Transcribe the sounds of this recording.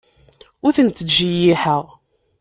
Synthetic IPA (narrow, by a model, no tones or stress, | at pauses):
ʊθənt̪ːəʒːijiħəʁ